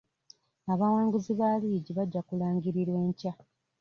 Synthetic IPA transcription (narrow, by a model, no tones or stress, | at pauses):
aβawaːŋɡuziβaliːɟiβaɟːakulaːŋɡiɾiɾwe̞ːɲca